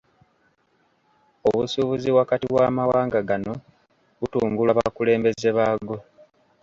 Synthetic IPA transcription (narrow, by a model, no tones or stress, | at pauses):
o̰βusuβuziβwakatiβwaːmawaːŋɡaɡano̞ | βutuːŋɡulaβakule̞ːmbe̞ze̞βaːɡo̞